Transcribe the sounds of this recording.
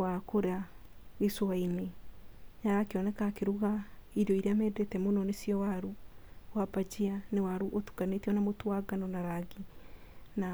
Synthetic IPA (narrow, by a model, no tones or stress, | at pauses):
akoɾeaɣesoaine | ɲaɾakeɔnɛkakeɾuɣaiɾɔiɾeamɛːdetɛmonɔnesiɔwaɾuwabad͡ʒeanewaɾuʔotu̥kanetiɔnamotowaɡanɔnaɾaɡi | na